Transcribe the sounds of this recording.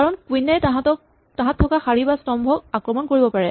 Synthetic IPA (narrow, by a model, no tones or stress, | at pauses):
kaɹɔnkwinɛtɦatɔ | tãɦãtʰːɔkaxaɹibastɔmbʱɔkakɹɔmɔnkoɹibɔpaɹɛ